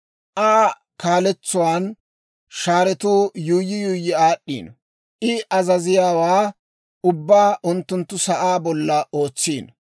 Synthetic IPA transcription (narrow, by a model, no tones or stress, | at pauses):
ʔaː | kaːlɛt͡sːʊwaːn | ʃaːɾɛt̪uːjuːjːɪjʊjːɪaːɗːḭːn | ʔɪʔɐzɐzɪjaːwaː | ʊbːaːʔʊnt̪ːʊnt̪ːʊsɐʔaːbɔlːɐo̞ːt͡sːiːn